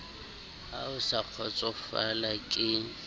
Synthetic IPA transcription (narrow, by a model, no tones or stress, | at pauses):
aʊsaq͡χʰɔt͡sʼɔfalakʼɪ